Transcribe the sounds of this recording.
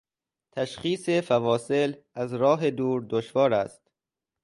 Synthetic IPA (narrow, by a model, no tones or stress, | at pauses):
t̪ʰæʃχiːsefævɒːse̞l | æzɾɒːɦed̪uːɾd̪oʃvɒːɾæst̪